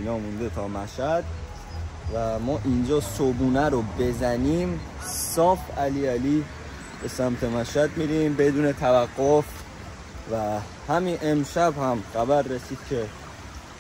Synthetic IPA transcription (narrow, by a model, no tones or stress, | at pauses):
inɒːmund̪e̞t̪ʰɒːmæʃhæd̪̚ | væmɒːʔind͡ʒɒːsobuːnæɾobe̞zæniːm | sɒːfæliːæliː | be̞sæmt̪ʰemæʃæd̪miɾimbe̞d̪uːne̞t̪ʰævæɡːof | væ | hæminʔemʃæbhæmɢæbæɾːesiːd̪̥̚cʰe